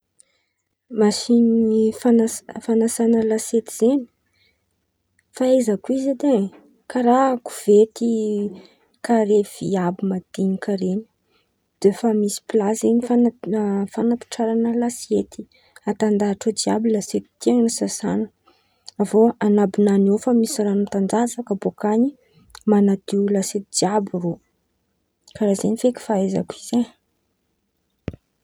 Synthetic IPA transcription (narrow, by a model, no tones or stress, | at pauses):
masinifanafanasanəlaset̪iz̥eni̥ | faezakuized̪e | kaɾaku̥v̥et̪ʰi | kʰaɾev̥iabimad̪̥iɲikaɾeni̥ | d̪̥efamisi̥plazenifanfanapi̥ʈ͡ʂaɾanəlasiet̪i̥ | at̪and̪aɦaʈ͡ʂəd͡ʒiabilaset̪i̥d̪̥iaŋnisasa̰nə | avoanabinaniofəmisiɾanumt̪and͡zazakəbokaɲi | manad̪iulaset̪id͡ʒiabiro | kaɾazenifeki̥faeza̰kize